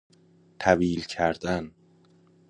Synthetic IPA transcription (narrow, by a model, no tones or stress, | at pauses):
t̪ʰæviːlcʰæɾd̪æn